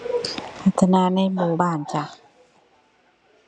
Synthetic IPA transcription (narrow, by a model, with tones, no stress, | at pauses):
pʰa˨˧˩t̪ʰːa˧naː˧˦na˧˥˨jmuː˧baː˧˥˨nt͡ɕa˧